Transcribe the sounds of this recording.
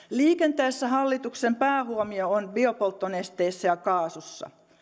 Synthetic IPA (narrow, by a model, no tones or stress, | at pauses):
liːkent̪æesːæɦɑlːit̪uksempæːhuomioonbiopolt̪ːonest̪eːsːæjɑkɑːsusːɑ̰